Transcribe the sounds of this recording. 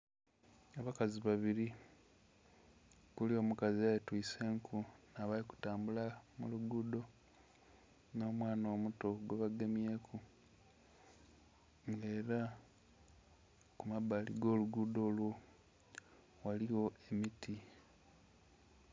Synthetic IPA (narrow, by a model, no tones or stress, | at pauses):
aβakaziβaβiɾi | kulio̞ːmukaziajetwiːse̞ːŋkʰunaβaliku̥taːmbulamuluɡuːdo̞ | no̞ːmwaːno̞ːmuto̞ɡweβaɡemje̞ːkʰu | ŋɡe̞ːɾa | kumabalḭɡo̞ːluɡuːdo̞ːlwo | waliwo̞e̞miti